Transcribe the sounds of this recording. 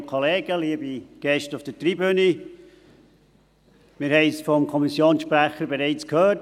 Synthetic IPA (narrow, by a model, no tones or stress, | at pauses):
kʰɔleːɡəliːəbiɡ̥ɛʃtʊfd̥ətribøni | mɪːɾhɛɪsfɔmkʰɔmisjoːnsʃpræχəɾbeɾeɪt͡skhøːt